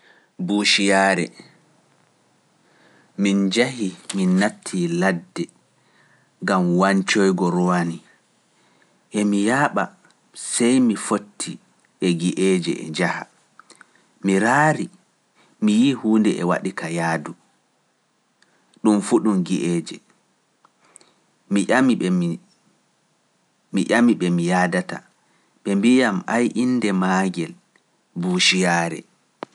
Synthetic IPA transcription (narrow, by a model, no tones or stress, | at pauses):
buʃijaɾɛ̰ | mind͡ʒahiminːatʰːiladːɛ | ɡamwaɲt͡ʃɔjɡɔɾɔwani | ʔɛmijaːɓa | sɛjmifotʰːi | ʔɛɡiʔeːd͡ʒɛ̰ʔɛ̰d͡ʒaha̰ | miɾaːɾi | mijihuːndɛɛwa̰ɗikʰajaːdu | ɗumfuɗumɡiʔɛd͡ʒɛ̰ | miam | miʔamiɓɛmijadata̰ | ɓɛmbijamajʔinːdɛmaːɡɛl | buːʃijaːɾɛ̰